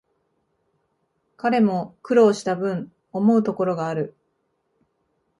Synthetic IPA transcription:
kaɾe̞mo̞kɯ̟ɾo̞ːɕi̥t̪abɯ̟̃ɴ | o̞mo̞ɯ̟t̪o̞ko̞ɾo̞ɡaːɾɯ̟

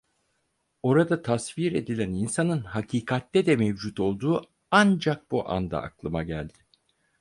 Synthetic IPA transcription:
o̞ɾad̪at̪ʰasviɾe̞̰d̪ilʲæninsanɯnhacʰiːkʰat̪ːɛd̪ɛmevd͡ʒut̪o̞lˠd̪uː | and͡ʒak̚b̥uʔa̰nd̪a̰a̰klˠɯmaɟælʲd̪̥ɪ

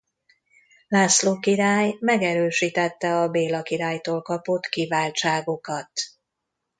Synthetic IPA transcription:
laːsloːkiɾaːjmɛɡɛɾøːʃit̪ɛt̪ːɛɒbeːlɒkiɾaːjt̪oːlkɒpo̞t̪kivaːlt͡ʃaːɡo̞kɒt̪

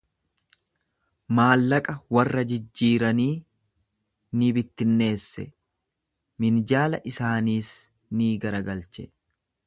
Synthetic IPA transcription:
maːlːɐkʼɐwɐrːɐd͡ʒɪd͡ʒːiːɾɐniː | nɪbɪt̪ːɪnːe̞ːsːɛ̰ | mɪnd͡ʒaːlɐʔɪsaːniːs | niːɡɐɾɐɡɐlt͡ʃɛ

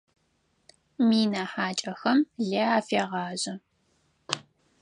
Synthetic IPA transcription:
miːnaħaːt͡ʃʼɐxɐmɮɐaːfeːʁɑːʑɐ

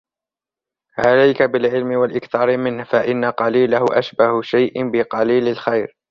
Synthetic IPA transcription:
ʕalajkabɪlʕɪlmɪwalʔɪkθɑːɾɪmɪnhfaʔɪnːaqɑliːlahʊʔa̰ʃbahʊʃajʔɪbɪqɑliːlalxajɾ

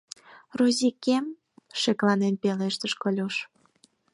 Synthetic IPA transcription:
rozʲikem | ʃeklɑnenpeleʃt̪əʃkolʲuʃ

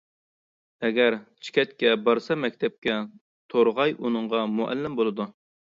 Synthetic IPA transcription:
ɛɡʲæɾt͡ʃʰi̥kʲʰɛt̪kʲɛbɑɾsɑmɛkʲt̪ʰɛp̚kʲɛ | t̪ʰoɾʁɑjunɨɴʁɑmuʔɛ̰lːɪmbolˠɨd̪u

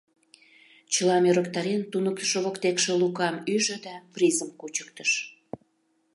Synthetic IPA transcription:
t͡ɕəlɑmøɾəkt̪ɑɾent̪unək̚t̪ə̥ʃoβokt̪ekʃĕlukɑmyʒø̆d̪ɑprizəmkut͡ɕə̥k̚t̪əʃ

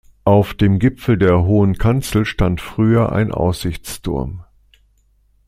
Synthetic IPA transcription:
ʔaʊfd̥eːmɡɪpfl̩deːɐɦoːənkʰant͡sl̩ʃtantfʁ̥yːɐʔa̰ɪnʔa̰ʊsz̥ɪçt͡stʰʊ̰ɐm

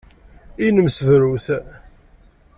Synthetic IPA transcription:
inəmsvɾuθ

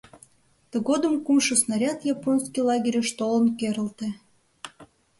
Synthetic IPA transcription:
t̪ə̆ɣod̪ə̆mkumʃəsnɑɾʲɑt̪jɑponskijlɑɡʲeɾʲəʃt̪olə̆nkeɾə̆lt̪ĕ

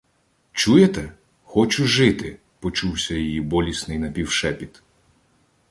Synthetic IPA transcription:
t͡ʃujet̪ɛ | xɔt͡ʃʊʒɪt̪ɪ | pɔt͡ʃuwsʲɐjɔjibɔlʲisnɪjnɐpʲiwʃɛpʲit̪

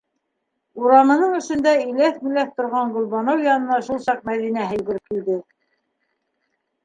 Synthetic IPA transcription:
uɾɑmɤ̆nɤɴɵ̆ʃɵ̆nd̪æilæθmilæθt̪ŏɾʁɑɴɡɵ̆lbɑnowjɑnɤ̆nɑʃulˠsɑq̚mæðinæɦɘ̆jɡɘ̆ɾɘp̚kild̪ɘ

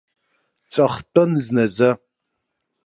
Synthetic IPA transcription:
t͡sʷʼɐχtʼɨnznɐzɐ

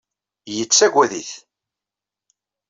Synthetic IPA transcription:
jət͡sːæɡʷæðiθ

